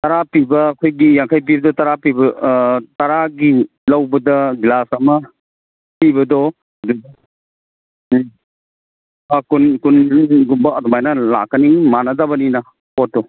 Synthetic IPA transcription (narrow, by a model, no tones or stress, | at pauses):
t̪aɾapibɐːkʰojɡijaŋkʰajp̬ibɐdɔtaɾapibɐtaɾaɡi | lawbɐdɐɡilasamɐ | pibɐdɔ | dud | akunkunɡumbaːdɔmajnala̰kʰanimanazabɐnina | pɔt̚dɔ